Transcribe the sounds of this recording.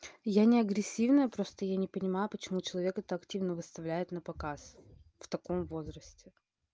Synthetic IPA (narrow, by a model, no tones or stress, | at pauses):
janʲɪɐɡɾʲɪsʲːivnəjəpɾo̞st̪əjanʲɪpənʲɪmajʊpət͡ɕɪmut͡ɕɪlˠɐvʲe̞kɛt̪əɐktʲivnəvɨst̪ɐvlʲæjɪt̪nəpɐkasft̪ɐko̞mvo̞zɾəsʲtʲɪ